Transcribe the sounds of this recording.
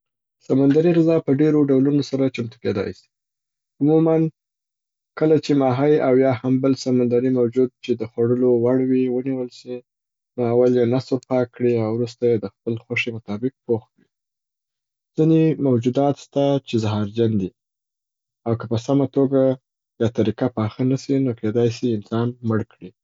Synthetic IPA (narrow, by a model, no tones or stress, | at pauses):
samand̪aɾiɣɪzɑpəɖeɾoɖawlunosaɾat͡ʃamt̪uked̪ɑ̰jsi̥ | ʊmuman | kəlat͡ʃemɑɦajawjɑhambəlsamand̪aɾimawd͡ʒud̪̚t͡ʃed̪əxwaɽəlowaɽwiwəniwəlsi | noawaljenasəɾpɑkːɽiawɾust̪ajed̪əxpəlxoʂimʊt̪ɑbɪq̚poxkɽi | z̥inemawd͡ʒud̪ɑt̪st̪at͡ʃezaɦɑɾd͡ʒand̪i | awkapəsamat̪oɡa | jɑt̪aɾikapɑxanasinokʰed̪ɑjsiɪnsɑnməɽkɽi